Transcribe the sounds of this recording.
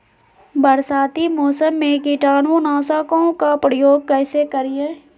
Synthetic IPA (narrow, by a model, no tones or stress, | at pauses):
bəɾsaːt̪imoːsəmːẽkiʈaːnõnaːsaːkõkapɾɪjoːɡ̚kɛːsekəɾijeː